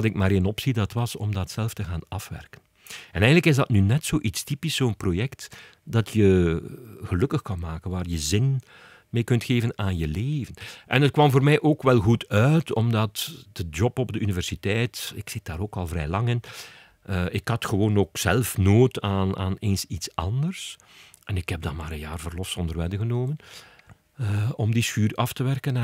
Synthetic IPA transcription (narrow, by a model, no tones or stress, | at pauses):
tɪk̚maːɾenɔpsidɑtʋɑsɔ̰mdɑtsɛlˠftəɣaːnɑfʋɛ̰rkən | ɛnɛjɣəndləkɪzdɑtnynɛtsoːʔitstipisoːnprojɛkt | dɑtjə | ɣəlɵkəxkɑnmaːkənʋaːrjəzɪn | meːkɵntxeːvənaːnjəleːvənʔɛ̰nət̚kwɑmvoːrmɛjʔoːkʋɛlˠɣutʰœːtʰɔ̰mdɑtd̥əd͡ʒɔpɔbdəʔynivɛrsitɛjtɪksɪt̚d̥aːɾoːkɑlˠvɾɛːlɑŋɪnː | ɪkhɑtxəwoːnoːksɛlˠfnoːtaːna̰ːneːnsitsɑndərs | ʔɛnɪkhɛb̚dɑtmaːɾənja̰ːrvərlɔfsɔndərʋɛdəɣənoːmən | əɔmdiskyːrɑftəʋɛrkən